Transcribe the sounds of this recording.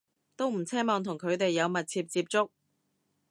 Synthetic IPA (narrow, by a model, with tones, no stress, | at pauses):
t̪o˥wm̩˨˩t͡sʰɛː˥mɔː˨ŋt̪ʰʊ˨˩ŋkʰɵ˨˧ɥt̪e˨jːɐ˨˧wmɐ˨t̚t͡sʰiː˧p̚t͡siː˧p̚t͡sʊ˥k̚